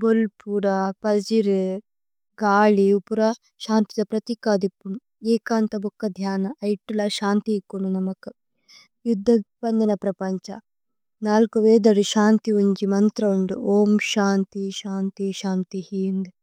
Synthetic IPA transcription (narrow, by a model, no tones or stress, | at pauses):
bolpuːɾɐpɐd͡ʒiɾ | ɡaːɭiupuɾɐ | ʃaːnt̪id̪ɐpɾɐt̪ikaːd̪ipːunu | eːkaːnt̪ɐbokːɐd̪ʱjaːnɐːjʈːulɐʃaːnt̪iekːununɐmɐku | jud̪ʱːɐpɐnd̪ɐnɐpɾɐpɐɲt͡ʃɐ | naːlkuʋeːd̪ɐɽuʃaːnt̪iuɲd͡ʒimɐnt̪ɾɐuɳɖṵoːmʃaːnt̪iʃaːnt̪iʃaːnt̪ihiːnd̪